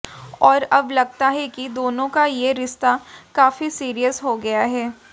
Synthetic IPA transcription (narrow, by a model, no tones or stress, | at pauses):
ɔːɾɐblɐɡt̪aɦɛkid̪oːnõkajeɾɪʃt̪akaːfisiːɾijəsɦoɡɐjaɦɛː